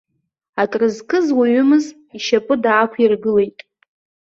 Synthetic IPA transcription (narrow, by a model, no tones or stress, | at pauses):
atʼrɨzkʰʼɨzwaɥʏmɨz | iʃapʼɨdaːkʷʰirɡɨle̞jtʼ